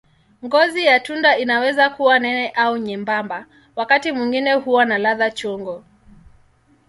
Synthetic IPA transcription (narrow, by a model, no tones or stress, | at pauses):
ŋɡɔzijatundainawɛzakuwanɛnɛʔauɲɛmbamba | wakatimwiŋɡinɛhuwanalaðat͡ʃɔŋɡɔ